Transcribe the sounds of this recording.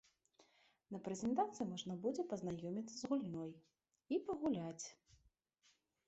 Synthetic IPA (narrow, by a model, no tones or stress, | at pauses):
nɐpɾɛzʲɛnt̪at̪sɨjumɔʐnɐbud͡zʲɛpɐznajɔmʲit̪sːɐzɣulʲnɔj | ipɐɣulʲat͡sʲ